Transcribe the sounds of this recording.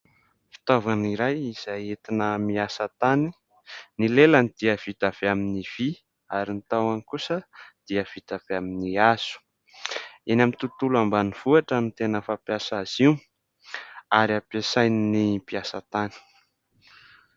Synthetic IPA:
fi̥t̪ovaniɾajiz̥aɦet̪inəmiasət̪ani | nilelənid̪̥iav̥it̪av̥eaminiv̥i | aɾint̪awankusəd̪̥iəv̥it̪aveaminiaz̥u̥ | enamint̪ut̪ulambaniv̥uaʈ͡ʂənit̪enəfapjasazi | aɾiapesajninipiasət̪ani̥

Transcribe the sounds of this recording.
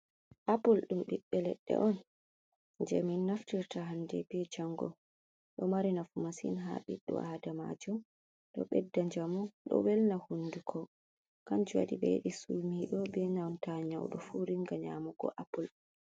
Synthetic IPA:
ʔapulɗumɓiɓːɛlɛ̰ɗːɛ̰ʔɔn | d͡ʒɛminːaftiɾtaɦandɛ̰bɛd͡ʒaŋɡɔ̰ | ɗɔmaɾinafumasḭnɦa̰ɓiɗːɔ̰ʔadama̰d͡ʒum | ɗɔɓɛdːaɲd͡ʒamɔɗɔ̰wɛlnahunːdukʰɔ | kand͡ʒuwa̰ɗibɛ̰ɗisumiɗɔbɛɲawntaɲa̰wɗɔfuɾiŋɡaɲamɔɡɔ̰ʔapul

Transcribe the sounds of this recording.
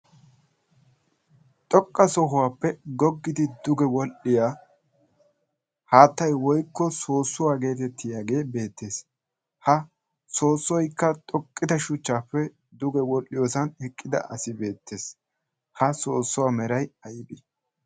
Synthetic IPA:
t̪ʼɔkʼːɐsɔɦʊwaːpːɛɡɔɡːɪd̪ɪd̪ʊɡɛwɔlʔɪjaː | haːt̪ːɐjwɔjkːɔso̞ːsːʊwaːɡe̞ːt̪ɛt̪ʰːɪjaːɡe̞ːbe̞ːt̪ːe̞ːs | hɐ | so̞ːsːɔjkːɐt̪ʼɔkʼːɪd̪ɐʃʊt͡ʃːaːpːɛ | d̪ʊɡɛwɔlʔːɪjo̞ːsɐnɛkʼːɪd̪ɐ̰ʔɐsɪbe̞ːt̪ːe̞ːs | hɐso̞ːsːʊwaːmɛɾɐjɐjɪbɪ

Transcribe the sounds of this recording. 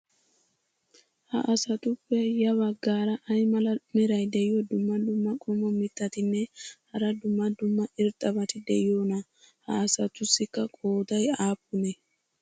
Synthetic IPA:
hɐʔɐsɐt̪ʊpːɛjɐβɐɡːaːɾɐʔɐjmɐlɐmɛɾɐjd̪ɛjɪjɔd̪ʊmːɐd̪ʊmːɐkʼɔmɔmɪt̪ʼːɐt̪ɪnːɛhɐɾɐd̪ʊmːɐd̪ʊmːɐʔɪɾt̪ʼːɐbɐt̪ɪd̪ɛɪjoːnɐ | hɐ̰ːsɐt̪ʊsːɪkːɐkʼoːd̪ɐjaːpʼːʊnɛ

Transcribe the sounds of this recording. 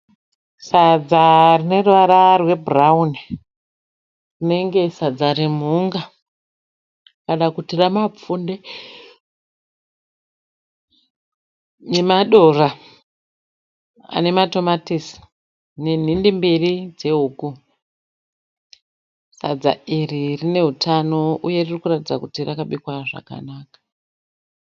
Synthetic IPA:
sad͡zarine̞ruʋaɾarwe̞burauni | rine̞ŋɡe̞sad͡zaɾimuŋɡa | kanakutiramap͡funde | nemaɗo̞ra | a̰ne̞mato̞matisi̥ | ne̞n̤indemberid͡ze̞uːku | sad͡za̰iririne̞ɦutʰano̞uje̞ririkuratid͡zakutirakaɓikwaʐa̰ka̰naːkḁ

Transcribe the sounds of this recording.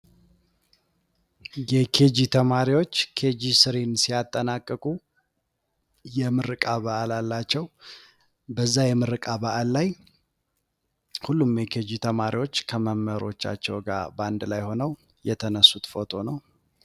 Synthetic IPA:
jɛkʰe̞d͡ʒit̪ʰəmaɾiwo̞t͡ʃːkʰe̞d͡ʒisɨɾensijat̪ʼːənakʼːəkʼu | jɛmɨɾɨkʼaβaʔalalːat͡ʃːɛw | bəzːajɛmɨɾɨkʼaβaʔalːaj | hulːumjɛkʰed͡ʒit̪ʰəmaɾiwo̞t͡ʃːkʰəməmːəɾo̞t͡ʃːa̰t͡ʃːɛ̰wɡa̰band̪lajho̞nəw | jɛt̪ʰənəsːut̪fot̪ʼʰo̞nəw

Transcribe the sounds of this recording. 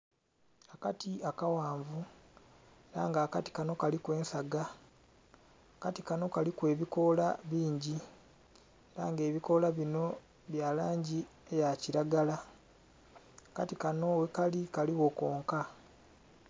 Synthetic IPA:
akatiakawaːɱvu | eɾa̰ːŋɡaːkati̥kano̞kalikwe̞ːnsaɡa | katikano̞kalikwe̞ːβiko̞laβiːɲɟi | eɾa̰ːŋɡe̞ːβiko̞laβino̞ | βjalaːɲɟi | e̞jaciɾaɡala | akatikano̞wekalikaliwo̞ko̞ːŋka

